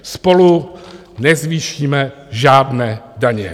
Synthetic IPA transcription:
spo̞lu | nɛzviːʃiːmɛ | ʒaːdnɛːdaɲɛ̰

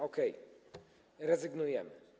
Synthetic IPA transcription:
ɔkɛj | ɾɛzɘɡnujɛmɘ

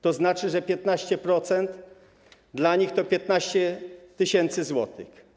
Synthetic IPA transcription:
t̪ɔznat͡ʂɘʐɛpʲjɛt̪naɕt͡ɕɛpɾɔt̪sɛnt̪ | d̪laɲixt̪ɔpʲjɛt̪naɕt͡ɕɛt̪ɘɕɛnt̪sɘzwɔt̪ɪ̰x

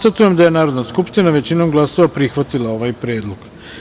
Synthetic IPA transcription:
t̪at̪uje̞md̪aje̞naːɾo̞d̪naskupʃt̪inaʋe̞t͡ɕinomɡlˠaso̞ʋapɾixʋat̪ilˠao̞ʋajpɾe̞ːd̪loɡ̥

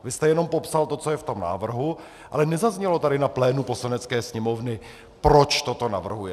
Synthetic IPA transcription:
vɪst̪ɛjɛno̞mpo̞psalt̪ot͡so̞jɛft̪o̞mna̰ːvr̩ɦu | ʔa̰lɛnɛzazɲɛlo̞t̪aɾɪnaplɛːnuposlanɛt͡skɛːsɲɛmo̞vnɪ | pɾo̞t͡ʃt̪ot̪o̞na̰vr̩ɦujɛ

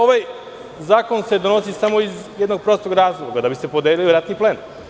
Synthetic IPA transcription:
oʋaj | zaːko̞nsed̪onosisamo̞izjed̪no̞ɡ̚pɾost̪oɡɾaːzlˠoɡad̪abise̞pod̪eliloɾat̪niplˠe̞ːn

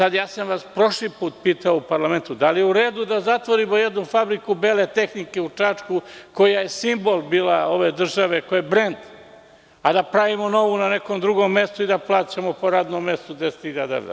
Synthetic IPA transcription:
sad̪jaːsamʋaspɾo̞ʃlipuːt̪piːt̪aoupaɾlame̞nt̪ud̪alijeuɾe̞ːd̪ud̪azat̪ʋo̞ɾimo̞jed̪nufabɾikubeːlet̪e̞xnike̞ut͡ʂat͡ʂkuko̞jajesimbo̞lˠbiːlao̞ʋe̞d̪r̩ʒaʋe̞kojebɾe̞nd̪ | ad̪apɾaʋimo̞no̞ʋunane̞koːmd̪ɾuɡo̞mːe̞st̪oid̪aplˠaːt͡ɕamopo̞ɾaːd̪nomːe̞st̪ud̪ese̥t̪hiʎad̪a̰ɾa̰

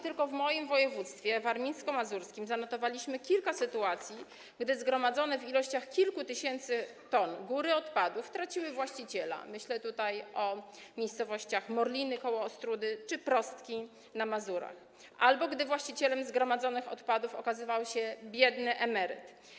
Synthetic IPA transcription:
t̪ɘlkɔvmɔjimvɔjɛvut̪st̪fʲjɛvaɾmʲijskɔmazuɾskʲimzanɔt̪ɔvalʲiɕmɘkʲilkasɘt̪uat̪sʲji | ɡd̪ɘzɡɾɔmad̪zɔnɛvilɔɕt͡ɕaxkʲilkut̪ɘɕɛnt̪sɘt̪ɔnɡuɾɘɔt̪pad̪uft̪ɾat͡ɕiwɘvwaɕt͡ɕit͡ɕɛla̰mɘɕlɛt̪ut̪ajɔmʲejst̪sɔvɔɕt͡ɕaxmɔɾlʲinɘkɔwɔːst̪ɾud̪ɘt͡ʂɘpɾɔst̪kʲi | namazuɾa̰x | ʔalbɔɡd̪ɘvwaɕt͡ɕit͡ɕɛlɛmzɡɾɔmad̪zɔnɘxɔ̰t̪pad̪ufɔ̰kazɘvawɕɛbʲjɛd̪nɘʔɛmɛɾɘ̰t̪

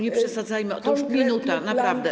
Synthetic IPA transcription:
ɲɛpʂɛsad̪zajmɘɔt̪ɔʂmʲinut̪anapɾavd̪ɛ

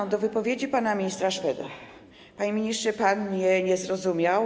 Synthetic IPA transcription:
d̪ɔvɘpɔvʲjed͡ʑipanamʲiɲist̪ɾaʂpɛd̪a | paɲimʲiɲistʂɘpanɲɛɲɛzɾɔzumʲjaw

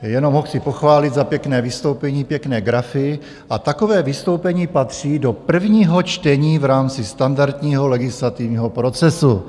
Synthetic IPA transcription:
jɛno̞mɦoxt͡sɪpoxvaːlɪd̪zapjɛknɛːvɪst̪o̞wpɛɲiːpjɛknɛːɡɾafɪ | ʔat̪ako̞vɛːvɪst̪owpɛɲiːpat̪r̝̥iːdo̞pr̩vɲiːɦo̞t͡ʃt̪ɛɲiːvɾaːmt͡sɪst̪andaɾt̪ɲiːɦolɛɡɪslat̪ivɲiːɦo̞pɾo̞t͡sɛsu

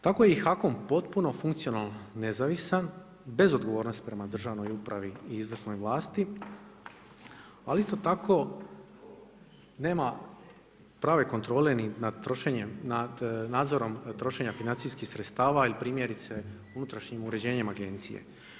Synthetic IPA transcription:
t̪ako̞jeixako̞mpo̞t̪puno̞fuŋkt̪sijo̞nalnːe̞zaʋisan | be̞zo̞d̪ɡo̞ʋo̞ːɾno̞st̪i̥pɾe̞mad̪r̩ʒaʋno̞jupɾaʋiiizʋrsno̞jʋlˠaːst̪i | alist̪o̞t̪akʰo̞ | ne̞ːma | pɾaːʋe̞ko̞nt̪ɾo̞ːle̞ninad̪t̪ɾoʃeɲenad̪naːd̪zo̞ɾo̞mt̪ɾo̞ʃe̞ɲafinant̪siskixsɾet̪st̪aːʋailipɾiːmjeɾit̪se | unut̪ɾaʃɲimuɾe̞d͡ʑe̞ːɲemaɡe̞nt̪sijḛ

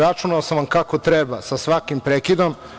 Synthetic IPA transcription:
ɾat͡ʃunaosamʋamkakot̪ɾebasasʋakimpɾekid̪om

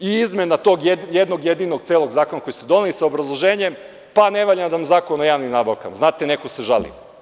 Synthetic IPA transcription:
iizmenat̪o̞ːɡjejed̪noɡjed̪iːnoɡ̚t̪seːlˠo̞ɡzaːko̞nako̞jist̪ed̪onelisaobɾazlˠoʒeːɲem | pane̞ʋaːʎamd̪amzaːkonojaːʋnimnaːbaʋka̰mznaːt̪ene̞koseʒa̰lḭ

